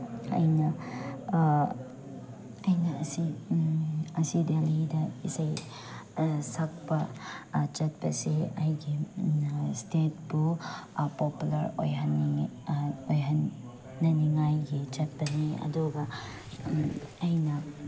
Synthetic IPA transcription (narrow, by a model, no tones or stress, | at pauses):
ɐ̰jnɐ | ɐjnɐɐsi | ɐsidelidɐisaj | sak̚pɐ | t͡ʃɐt̚bɐseɐjɡi | stet̚bupɔpulɐɾo̰jɦɐnːi | ojɦɐnː | ɐniŋajɡit͡ʃɐt̚bɐniɐ̰duɡɐ | jnɐ